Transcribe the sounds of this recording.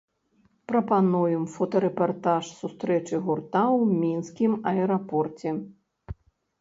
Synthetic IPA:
pɾɐpanujɛmfɔt̪ɐɾɛpart̪aʂsust̪ɾɛt͡ʂɨɣurt̪awmʲinskʲimɐɛɾapɔrt͡sʲɛ

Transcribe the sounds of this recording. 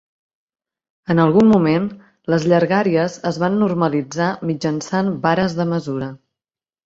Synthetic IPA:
ənəlˠɣunmːumen | ləzʎəɾɣaɾiəzəzβanːurməlid͡zamid͡ʒənsanbaɾəzðəməzuɾə

